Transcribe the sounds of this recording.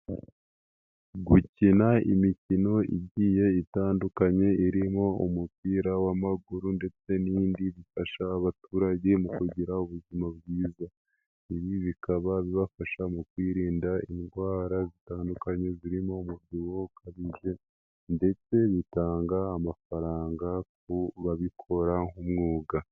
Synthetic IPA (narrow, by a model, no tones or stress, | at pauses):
ɡucinaḭmicino̞ḭɟiːje̞itaːndukaɲe̞iɾimo̞omupiːɾawamaɡuɾunde̞t͡se̞niːndiβifaʃaːβatuːɾaɟe̞mukuɟiɾauβuzimaβɡiːza | iβiβikaβaβiβafaʃamukwiːɾiːndainɡwaːɾazitaːndukaɲe̞ziɾimo̞mubɟiwokʰaβiʒe̞ | nde̞t͡se̞βitaːŋɡaːmafaɾaːŋɡak̚uβaβikʰo̞ɾaŋhumŋuːɡa